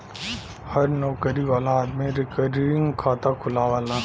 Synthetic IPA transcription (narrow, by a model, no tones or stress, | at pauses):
hɐɾnɔːkəɾiʋaːlaːd̪mẽɾɪkəɾɾɪ̃ŋɡkʰaːt̪akʰʊlaːʋaːlaː